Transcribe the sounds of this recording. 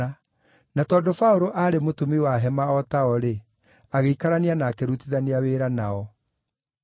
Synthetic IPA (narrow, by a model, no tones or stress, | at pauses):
a | natɔːdofaoɾoʔaːɾemotumiwaɦɛmaɔtaɔɾe | aɣeikaɾaneanaːkeɾutiðaneaweːɾanaɔ